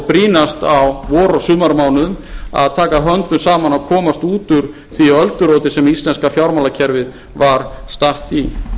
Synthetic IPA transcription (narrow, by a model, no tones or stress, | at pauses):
pɾiːnast̪awvɔːɾɔsʏːmaɾmaːwnʏʏma̰ðt̪ʰaːkaɦœnt̪ʏmsaːmanawkʰɔːmast̪uːt̪ʏɾ̥ | θiaœlt̪ʏɾɔwt̪ɪsɛmist̪lɛnskafjawɾmawlacʰɛɾvɪð | vaɾst̪aht̪i